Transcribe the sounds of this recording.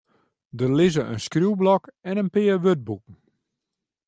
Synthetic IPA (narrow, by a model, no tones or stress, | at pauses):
dəlɪzəʔənskruwblɔkɛnənpɪːəʋøt̚bukŋ̩